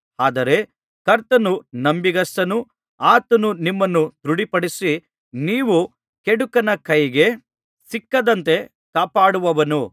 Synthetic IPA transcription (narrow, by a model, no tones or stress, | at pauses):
aːd̪ɐɾe̞ | kɐɾt̪ɐnunɐmbiɡɐst̪ɐnu | aːt̪ɐnunimːɐnːut̪ɾuɽipɐɽisi | niːʋu | keɽukɐnɐkɐjiɡe̞ | sikːɐd̪ɐnt̪e̞ | kaːpaːɽuʋɐʋɐnu